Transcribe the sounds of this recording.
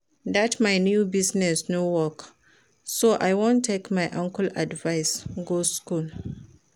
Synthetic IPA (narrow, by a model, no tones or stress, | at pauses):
datmajnjubiznɛsnowɔk | soʔajwõntʰːekmajʔãŋkəlʔadvajsɡoskul